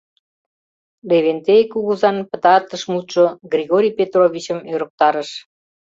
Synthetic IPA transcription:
leβent̪ejkuɣəzɑnpə̆t̪ɑrt̪əʃmut̪ʒoɡrʲiɣoɾʲijpʲet̪rovʲit͡ɕəmøɾə̆k̚t̪ɑɾəʃ

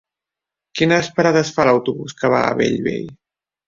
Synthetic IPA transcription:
kinəspəɾaðəsfaləwt̪uβuskəβa̰ə̰βḛʎβḛʎ

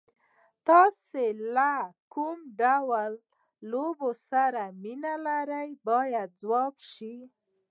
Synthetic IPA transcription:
t̪ɑselakumɖawalː | obosaɾaminalaɾajbɑjat̪̚d͡zwɑbʃi

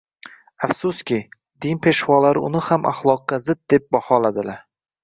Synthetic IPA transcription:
afsʊskʲɪ | d̪ɪnpʰe̞ʃwɒlaɾɪʊnɪhamʔa̰χlˠɒqːɑzɪt̪̚d̪e̞p̚bɒhɒlad̪ɪlaɾ

